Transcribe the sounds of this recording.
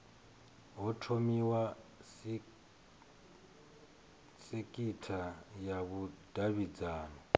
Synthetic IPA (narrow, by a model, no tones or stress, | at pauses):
ɦɔtʰomiwa | sekʼitʰajaβud̥ʱaβid͡zaːnɔ